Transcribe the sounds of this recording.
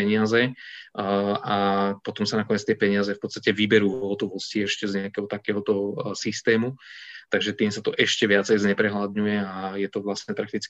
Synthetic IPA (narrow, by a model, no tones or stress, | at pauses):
ɛɲɪazɛ | apɔt̪ɔmsanakɔɲɛt͡st̪ɪɛpɛɲɪazɛfpɔt̪st̪acɛʋibɛɾuːɔɦt̪ɔʋɔsciɛʃcɛzɲɛakɛɦɔt̪akɛɦɔt̪ɔsist̪ɛːmut̪aɡʒɛt̪iːmsat̪ɔʔɛʃcɛʋɪat͡sɛjzɲɛpɾɛɦlad̪ɲujɛajɛt̪ɔʋlasɲɛpɾakt̪it͡sk